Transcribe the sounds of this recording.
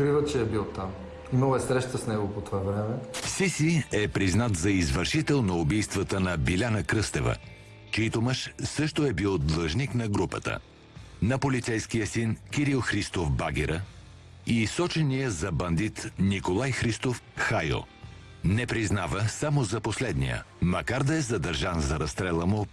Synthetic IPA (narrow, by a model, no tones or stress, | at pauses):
kɾivət͡ʃɛɛbilˠt̪am | nɔvɛsɾɛʃt̪əsnɛɡopot̪oavɾɛmɛfsisiɛpɾiznat̪zɐizvəɾʃit̪ɛlˠnɐʊbijst̪vət̪ənɐbilʲanəkɾɤst̪ɛvə̰ | t͡ʃɛit̪oməʃsɤʃt̪oɛbilˠd̪lˠəʒniknɐɡɾupə̰t̪ə̰ | nɐpolit̪sɛjskijəsinkiɾilˠxɾist̪ofbaɡiɾə | isɔt͡ʃɛnijəzɐbɐnd̪it̪nikolˠajxɾist̪ofxajlˠ | nɛpɾiznavəsamozɐposlɛd̪nḭjə̰mɐkaɾd̪ɐɛzɐd̪ɐɾʒanzɐɾɐst̪ɾɛlˠəmo